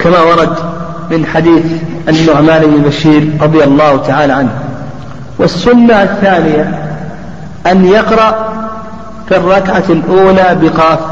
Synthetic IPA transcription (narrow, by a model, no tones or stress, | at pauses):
kamawɑɾˤɑd̪ | mɪnħad̪iːθʔanːʊʕmaːnɪbnɪbaʃiːɾɾˤɑðˤjalˤːɑːht̪aʕaːlaʕanh | wɪsːʊnːaθːaːnɪja | ʔanjɑqɾˤɑʔ | firˤːɑkʕalʔuːlaːbɪqɑːf